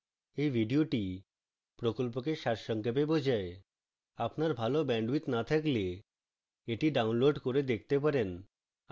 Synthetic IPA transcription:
ejʋʱiɖioʈi | pɾɔkɔlp̬ɔkeʃaɾʃəŋkepebɔd͡ʑae | apnaɾbʱalobɛ̃ɳɖʋit̪nat̪ʰakle | eʈiɖaunloɖkoɾed̪ek̚ʰt̪epaɾen

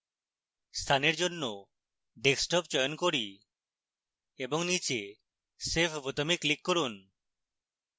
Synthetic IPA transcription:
st̪ʰaneɾd͡ʑonːo | ɖeksʈɔp̚t͡ʃɔjonkoɾi | eboŋnit͡ɕe | sepʰbot̪omikːlikːoɾun

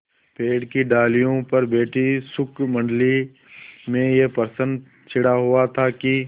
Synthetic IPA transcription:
peːɽkiɖaːlijõpɐɾbeːʈʰisʊkmɐ̃ɳɖli | mẽjepəɾsə̃nd̪ | t͡ʃʰɪɽaɦʊat̪ʰaki

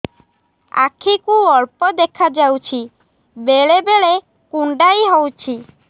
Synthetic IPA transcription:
a̰kʰikuɔɭpɔd̪ekʰad͡ʒawt͡ʃʰi | beɭebeɭe | kuɳɖajɦowt͡ʃʰi

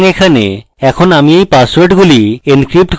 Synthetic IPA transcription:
ŋekʰanḛ | ɛkʰonamiejpaswoɾʈɡulienkɾip̚ʈk

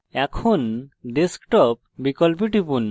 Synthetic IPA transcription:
ɛkʰonɖeskʈɔp̚bikɔlp̬iʈipun

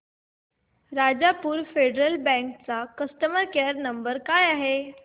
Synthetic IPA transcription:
ɾad͡ʑapuːɾfeɖɾəlbɛ̃ŋkt͡sakəst̪əməɾkaɾnəmbəɾkajaɦe

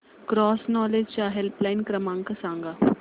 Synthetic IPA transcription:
kɾɔːsnɔːled͡ʒt͡ʃaɦelplaɪnkɾɐmãːŋkɐsãːŋɡa

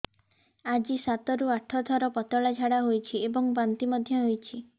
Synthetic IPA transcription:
ad͡ʒisat̪ɔɾuaʈʰɔt̪ʰɔɾɔpɔt̪ɔɭad͡ʒʱaɽaɦojt͡ʃʰiebɔŋbant̪imɔd̪ʱjɔɦojt͡ʃʰi

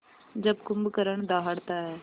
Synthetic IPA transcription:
d͡ʒəbkʊmbkəɾəɳd̪aːɦəɽt̪aːɦɛː

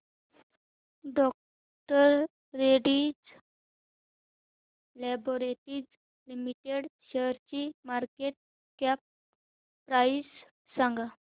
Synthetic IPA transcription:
ɖɔk̚ | ʈəɾː | eɽid͡z | lɛboɾeʈiːd͡z | limiʈeɽɕeɾt͡ɕimaɾkeʈ̚ | kɛp̚ː | ɾais | sãŋɡa

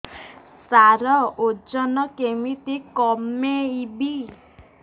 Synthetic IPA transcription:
saɾɔod͡ʒɔnɔkemit̪ikɔmeibi

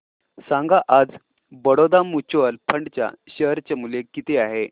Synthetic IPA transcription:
sãŋɡaʔad͡z | bəɽod̪amut͡ɕʋəlpʰəɳɖt͡ɕja̰ɕəɦɾt͡ɕemulekit̪eaɦe

